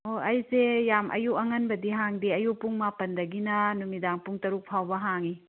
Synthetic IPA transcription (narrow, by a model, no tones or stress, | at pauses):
oɐjsejamʔɐ̰juɐŋɐnbɐdiɦaŋdiɐjupːuŋmapɐndɐɡinɐnumidaŋpuŋtɐɾuk̚pʰawbɐɦaŋi